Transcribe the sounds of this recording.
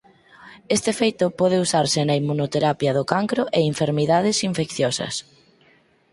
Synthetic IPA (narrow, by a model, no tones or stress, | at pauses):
est̪ɪefejt̪ʊpɔð̞eusaɾsɪnɐimːunot̪eɾapjɐðʊkaŋkɾoʔeiɱfeɾmiðaðɪsiɱfekθjɔsɐ̰s